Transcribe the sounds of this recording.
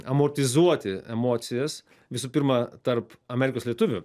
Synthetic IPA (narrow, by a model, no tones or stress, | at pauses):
ɐmoːɾʲt̪ʲɪzuɔt̪ʲɪɛmoːt̪sʲɪjɛs | ʋʲɪsuːpʲɪɾmɐt̪ɐɾpɐmʲæːɾʲɪkoːslʲiɛt̪ʊʋʲʊ